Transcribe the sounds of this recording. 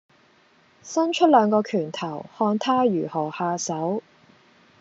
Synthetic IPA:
sɐ˥nt͡ʃʰɵ˥t̚lœː˨˧ŋkɔː˧kʰyː˨˩nt̪ʰɐ˨˩whɔː˧nt̪ʰaː˥jyː˨˩hɔː˨˩haː˧sɐ˨˥w

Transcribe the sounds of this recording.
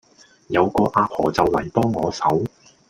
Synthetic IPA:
jɐ˨˧wkɔː˧ʔaː˧p̚hɔː˨˩t͡sɐ˨wlɐ̰˨˩jpɔː˥ŋːɔː˨˧sɐ˨˥w

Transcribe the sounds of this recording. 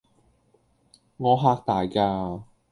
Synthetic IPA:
ŋɔː˨˧ɦaː˧k̚t̪aː˨jkaː˧

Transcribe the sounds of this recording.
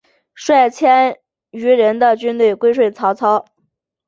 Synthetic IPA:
ʂwa˥˩ɪt͡ɕʰjɛ˥n | y˧˥ɻə˧˥nd̪ə˧t͡ɕy˥nt̪we˥˩ɪkwe˥ɪʂwe˥˩ɪt͡sʰɑ˧˥ʊt͡sʰɑ˧˥ʊ

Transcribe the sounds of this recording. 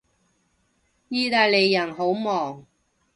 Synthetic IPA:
jiː˥t̪aː˧jle˨˧jːɐ˨˩nɦo˨˥wmɔː˨˩ŋ

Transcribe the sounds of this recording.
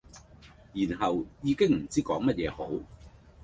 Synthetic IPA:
jiː˨˩nɦɐ˨wjiː˨˧kɪ˥ŋm̩˨˩t͡siː˥kɔː˨˥ŋmɐ˥t̚jɛː˨˧ho˨˥w

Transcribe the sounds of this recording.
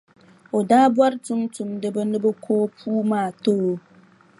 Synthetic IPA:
o˨daː˦bwa˦ɾtʊ˦ŋtʊ˨mdɨ˦bə˦nɨ˦bɨ˦kʰoː˦pʰuː˦maː˦˨to˦o˦

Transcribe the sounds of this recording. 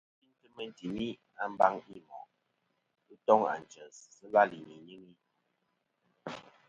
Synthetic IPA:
i˦ntə˦mə˨n˨ti˨mi˦ | a˦m̩˦ba˦ŋi˦mɔ̰˨ʔ | ə˦tɔ˦ŋa̰˨n˨t͡ʃə˨ssə˦la˦li˨ɲi˨ɲi˦ŋi˦

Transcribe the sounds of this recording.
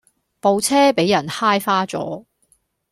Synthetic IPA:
po˨wt͡sʰɛː˥pe˨˥jɐ˨˩nhaː˥jfaː˥t͡sɔ̰ː˨˥

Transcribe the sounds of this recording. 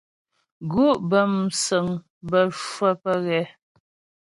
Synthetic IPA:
ɡu˦ʔbə˨msə˨ŋ | bə˦ʃwə˦pə˦ɣɛ˦

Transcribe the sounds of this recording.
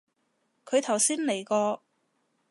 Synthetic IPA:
kʰɵ˨˧ɥt̪ʰɐ˨˩wsiː˥nle˨˩jkɔː˧

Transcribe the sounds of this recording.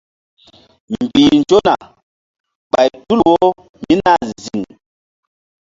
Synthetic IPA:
m̩˨bi˨n˨d͡ʒo˦na̰˨ | ɓa˨jtu˦˨wo˦ | mi˦na˦˨zi˨ŋ

